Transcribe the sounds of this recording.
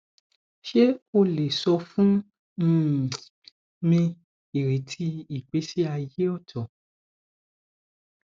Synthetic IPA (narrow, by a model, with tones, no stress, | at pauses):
ʃe˦o˦˨le˨sɔ˧fũ˦ | m̩˦˨ | mĩ˧ | i˨ɾe˨˦tʰi˧i˨k͡pe˨˦si˦a˧je˦ɔ˦˨tʰɔ˨